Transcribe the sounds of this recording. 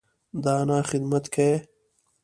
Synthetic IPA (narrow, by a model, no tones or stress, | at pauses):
d̪aːnaːxɪd̪mɐt̪kʰɐe